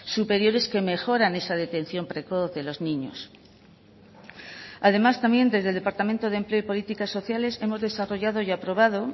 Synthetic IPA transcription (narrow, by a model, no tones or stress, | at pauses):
supe̞ɾjo̞ɾe̞ske̞me̞xo̞ɾane̞sað̞e̞t̪e̞n̟θjo̞mpɾe̞ko̞θðe̞lo̞znĩɲo̞̰s | aðe̞mast̪ambje̞nd̪e̞zðeld̪e̞paɾt̪ament̪oðempleipo̞lit̪ikasːo̞θjale̞se̞mo̞zðe̞saro̞ʝað̞o̞japɾo̞βað̞o̞